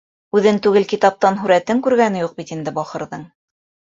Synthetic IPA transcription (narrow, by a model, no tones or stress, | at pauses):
ʉðɘnt̪ʉɡɘlkit̪ɑp̚t̪ɑnɦʉɾæt̪ɘŋkʉɾɡænɘ̆juq̚bit̪ind̪ɘbɑχɤ̆ɾðɤɴ